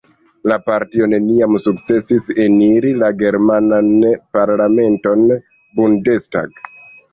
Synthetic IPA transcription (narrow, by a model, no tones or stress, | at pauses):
lapaɾtio̞ne̞niamsukt͡se̞sise̞niɾilaɡe̞ɾmananpaɾlame̞nto̞n | bunde̞sta̰ɡ